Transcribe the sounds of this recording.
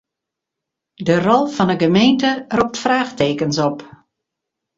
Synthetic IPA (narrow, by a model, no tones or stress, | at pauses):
dərɔlˠfɔnəɡəmeːntərɔp̚tfraːxteːkənsɔp